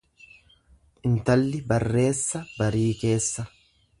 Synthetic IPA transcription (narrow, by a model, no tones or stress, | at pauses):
ʔɪnt̪ɐlːɪbɐrːe̞ːsːɐbɐɾiːke̞ːsːɐ